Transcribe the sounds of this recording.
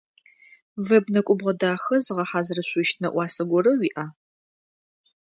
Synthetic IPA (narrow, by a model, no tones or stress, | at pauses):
vɐbnɐkʷʼʊbʁɐdaːxɐzɨʁɐħaːzɨrɐɕʷʊʃtʰnɐ̰ʔʷɑːsɐɡʷɔrɐwiːʔaː